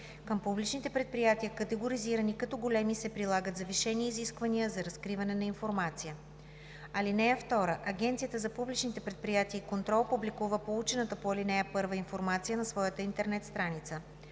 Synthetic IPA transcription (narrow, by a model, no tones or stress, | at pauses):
kəmpublit͡ʃnit̪ɛpɾɛt̪̚pɾijat̪iəkɐt̪ɛɡoɾiziɾɐnikɐt̪ɔɡolɛmisɛpɾilˠaɡət̪zɐviʃɛniːziskvɐnijəzɐɾɐskɾivɐnɛnɐinfoɾmat̪sijə | ɐlinɛɛft̪ɔɾəʔɐɡʲɛnt̪sijət̪əzɐpublit͡ʃnit̪ɛpɾɛt̪̚pɾijat̪iəikont̪ɾɔlˠpublikuvəpout͡ʃɛnət̪əpoɐlinɛɛpɤɾvəinfoɾmat̪sijənɐsvɔjət̪əint̪ɛɾnɛt̪st̪ɾanit̪sə